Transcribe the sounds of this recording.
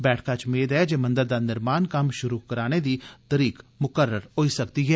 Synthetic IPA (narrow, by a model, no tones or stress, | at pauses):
bɛːʈʰkaːt͡ʃmeːd̪ɛːd͡ʒeːmə̃nd̪əɾd̪aːnɪɾmaːnkəmʃʊɾuːkəɾaːneːd̪iːt̪əɾiːkmʊkəɾːəɾɦoiːsəkd̪iːɦɛː